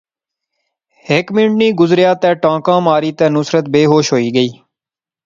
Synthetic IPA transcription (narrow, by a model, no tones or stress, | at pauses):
ɦɪkmɪnʈniːɡʊzɾjaːt̪ɛ̃ːʈãːkãːmaːɾiːt̪ɛ̃ːnʊsɾət̪̚beːɦoːʃɦoːiːɡəiː